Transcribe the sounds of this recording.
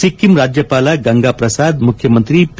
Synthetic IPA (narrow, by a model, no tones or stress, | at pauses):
ikːimɾaːd͡ʒjɐpaːlaɡɐ̃ŋɡaːpɾɐsaːd̪mʊkʰjɐmə̃nt̪ɾip